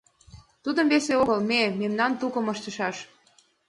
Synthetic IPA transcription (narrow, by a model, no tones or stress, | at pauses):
t̪ud̪ə̆mveseoɣəlmememnɑnt̪ukɤ̆mɤʃt̪ə̆ʃɑʃ